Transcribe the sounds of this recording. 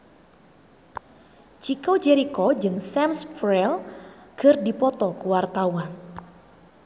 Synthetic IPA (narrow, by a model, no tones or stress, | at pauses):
t͡ʃikod͡ʒɛɾikɔd͡ʒɨŋsɛmspɾɛlɡ̥ərdipɔt̪ɔkuwart̪awan